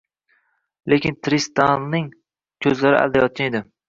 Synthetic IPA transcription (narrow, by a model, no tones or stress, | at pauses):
lekʲɪnt̪ʰɾɪst̪anːɪŋ | kʲʰɵzlaɾɪ̰ʔa̰ld̪ajɒt̪̚kʲaned̪ɪ